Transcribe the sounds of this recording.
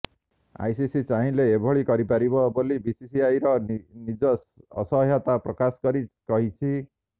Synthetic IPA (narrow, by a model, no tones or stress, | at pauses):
a̰jsisit͡ʃaɦĩleːbʱɔɭikɔɾipaɾibɔbolibisisiajɾɔnid͡ʒɔ̰ː | sɔɦjat̪apɾɔkaskɔɾikɔɦit͡ʃʰi